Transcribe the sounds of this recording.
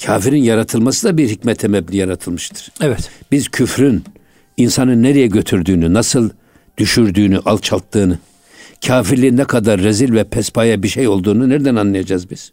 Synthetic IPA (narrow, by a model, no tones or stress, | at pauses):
cʰaːfiɾinjaɾat̪ʰɯlˠmasɯd̪abiɾɦicmɛt̪ʰɛmɛbnʲijaɾat̪ʰɯlˠmɯʃt̪ʰɯ̥ɾ̥ɛvɛt̪b̥iz̥cʰyfɾyn | insanɯnːeɾɛjɛɟø̞t̪ʰyɾd̪yːnynasɯlˠ | d̪̥yʃyɾd̪yːnyʔal̚ˠt͡ʃʰalˠt̪ʰːɯːnɯ | cʰaːfiɾlʲinːɛkʰad̪aɾːezilʲvɛpʰɛspʰajabiʃejo̞lˠd̪uːnuneɾd̪ænanlˠajad͡ʒazbiz̥